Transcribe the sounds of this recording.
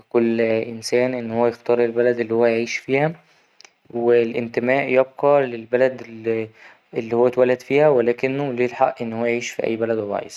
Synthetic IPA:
kolːʔɪnsæːnʔenːhowːæjext̪ɑːɾˤelbælæd̪elːiːhowːæjʕiːʃfiːhæ | welʔɪnt̪emæːʔjeb̚qɑlelbælæd̪ | elːiːhowːæt̪wælːæd̪fiːhæwelæːkɪnːolelħaʔʔenːhowːæjeʕiːʃfiʔæ̰jːbælæd̪wewɑ̰ːʕḛs

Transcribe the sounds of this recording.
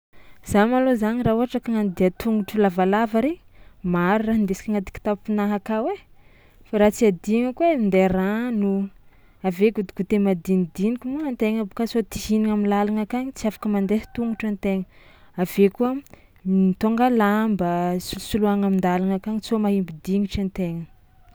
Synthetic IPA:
z̥amalozanirauɦaʈ͡ʂakaŋand̪iat̪uŋɡuʈ͡ʂulavalavəɾe | maɾiraɦind̪esi̥kʲaŋat̪i̥kʲi̥t̪appinaɦakawe | faɾat͡siad̪iŋəkuemind̪eranu | aveɡud̪i̥kut̪emad̪inid̪inikʲumuant̪eŋəbkasot̪iɦiniŋaminlalaŋakaɲit͡siafḁkəmand̪est̪uŋɡuʈ͡ʂant̪eŋə | avekuə | it̪oŋɡalambəsulusuluaŋamind̪alaŋakaŋit͡somaɦimbid̪iŋiʈ͡ʂant̪eŋə

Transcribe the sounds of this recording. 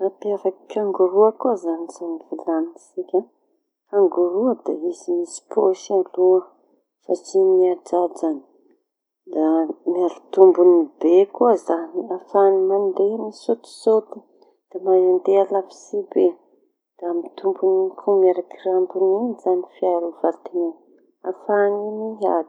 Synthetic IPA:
apiafaki̥kʲaŋɡuɾuakuəzanizanivilanisikʲa | kaŋɡuɾuad̪aizimisi̥pʰoʃaluə | fat͡ʃimiad͡ʒad͡ʒani̥ | d̪amiaɾit̪umbunibekuəzaniafanimand̪emisot̪i̥sot̪i̥ | d̪̥amajand̪ealafi̥sibe | d̪̥aamit̪umbunikʰumiaɾakirampunizanifiaɾuv̥at̪ina | afaniniad̪

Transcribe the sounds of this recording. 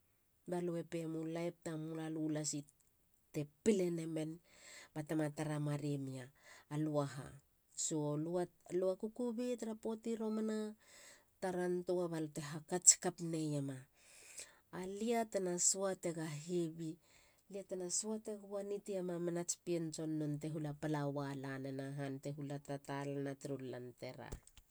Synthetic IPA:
balue̞pe̞mulajp̚tamulalulasi | te̞pile̞ne̞me̞nb̥atamataɾamaɾemiaːluaɦa̰ | solualuakukubitaɾapo̞tiɾo̞mana | taɾantoaβalte̞ɦakat͡ʃi̥kapne̞jama | liatenasuate̞ɡaɦiβi | liatenasuate̞ɡuanitiamamenat͡ʃpient͡ʃo̞nːonte̞ɦulapalawalanenaɦante̞ɦulatatalanatiɾulːa̰nteɾa̰

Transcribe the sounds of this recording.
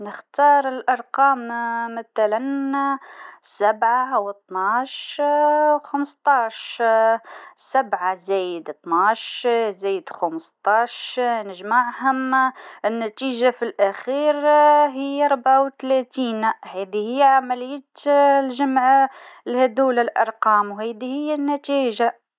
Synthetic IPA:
nəxt̪ɑːɾˤəlʔɑɾˤqɑːmmaθælan | sæbʕawət̪ˤnaʃ | xamst̪ˤɑːʃ | sabʕazæjɪd̪t̪ˤnaʃzæjɪd̪xaməst̪ˤɑːʃnɪʒmaʕhʊmɪnːæt̪iːʒafilʔæxiːɾɦɪjːɾˤʊbʕawt̪læt̪iːnhæːd̪ihijːʕamælɪjːæt̪lʒamʕlhæd̪uːlalʔɑ̰ɾˤqɑːmwhæːd̪ihɪjːænːæt̪iːʒa

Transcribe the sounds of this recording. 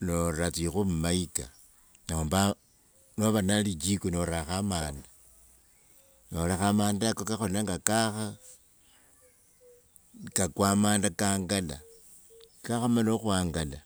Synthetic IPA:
noɾat͡sixumumaika̰ | naomba | noβanalit͡ʃikunoɾaxamaːnda | noɾaxamaːndakokaxolaŋɡakaxa | kakwamaːndakaːŋɡala̰ | kaxamaloxuaːŋɡala

